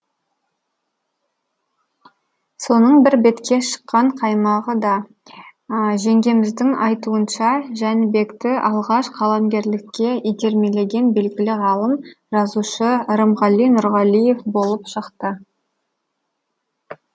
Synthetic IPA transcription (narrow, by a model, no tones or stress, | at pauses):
so̞nəɴbɪɾbe̞t̪kʲe̞ʃə̥qːɑɴqʰɑjmɑʁəd̪ɑ | ʒe̞ŋɡʲe̞mɪzd̪ɪŋɑjt̪uənʃɑʒænɪbe̞kt̪ɪʔɑlˠʁɑʃqʰɑlˠɑmɡʲe̞ɾlɪkʲːe̞ijd̪e̞ɾme̞le̞ɡʲe̞nbe̞lɡʲɪlɪʁɑlˠəm | ʒɑzuʃəɾəmʁɑlˠijnʊɾʁɑlˠije̞fbo̞lˠəpʃəqt̪ə